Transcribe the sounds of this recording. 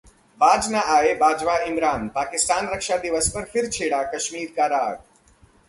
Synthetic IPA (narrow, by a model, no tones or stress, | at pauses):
baːd͡ʒnaʔaːebaːd͡ʒʋaɪmɾaːnpaːkɪst̪aːnɾɐkʃad̪ɪʋəspɐɾfɪɾt͡ʃʰeːɽakɐʃmiːɾkaɾaːɡ